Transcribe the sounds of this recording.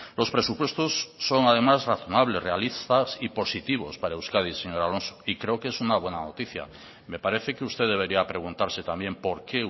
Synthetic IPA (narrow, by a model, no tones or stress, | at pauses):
lo̞spɾe̞supwe̞st̪o̞sːo̞ŋað̞e̞mazraθo̞naβ̞le̞srealist̪asipo̞sit̪iβ̞o̞̰spaɾaewskað̞iseɲo̞ɾalo̞nso̥ikɾe̞oke̞sunaβwe̞nano̞t̪iθja̰ | me̞paɾe̞θe̞keust̪eðe̞β̞e̞ɾiapɾe̞ɣ̞unt̪aɾse̞t̪ambje̞mpo̞ɾke̞